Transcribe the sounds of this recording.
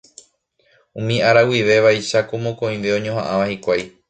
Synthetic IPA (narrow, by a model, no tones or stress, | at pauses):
ũmĩaɾawiʋe̞ʋajʃakomõkõ̞ĩʋe̞õɲõɦãʔãʋahikʷaj